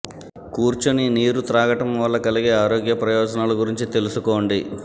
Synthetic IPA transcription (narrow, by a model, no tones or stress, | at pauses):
kuːɾt͡ʃuniniːɾut̪ɾaːɡɐʈɐmʋɐlːɐkɐliɡe̞ːaːɾoːɡjɐpɾɐjɔːd͡ʒɐnaːlɐɡuɾiɲt͡ʃit̪e̞lusuko̞ːɳɖi